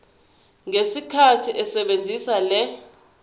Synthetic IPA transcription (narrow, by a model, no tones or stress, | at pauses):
ŋesikʰatʰiʔɛsɛɓend͡zʱisalɛ